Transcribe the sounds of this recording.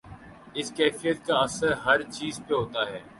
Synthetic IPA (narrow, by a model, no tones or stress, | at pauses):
ɪskɛːfijət̪̚kaɐsəɾɦɐɾt͡ʃiːzpeɦoːt̪aɦɛː